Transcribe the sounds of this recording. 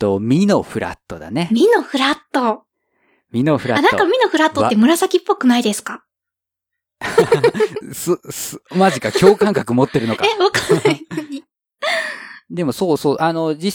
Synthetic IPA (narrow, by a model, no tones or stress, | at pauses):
t̪omʲino̞ɸɯ̟ɾa̰t̪ːo̞d̪a̰ne̞mʲino̞ɸɯ̟ɾat̪ːo | mʲino̞ɸɯ̟ɾaanãkamʲino̞ɸɯ̟ɾat̪ːoːemɯ̟ɾasakʲipːo̞kɯ̟naid̪e̞sɨ̥ka | ssmaʑikakʲʰo̞ːkãŋkakɯ̟mo̞t̪ːe̞ɾɯ̟no̞kaeβakanaɲi | d̪e̞mo̞soːsoːʔano̞d͡ʑi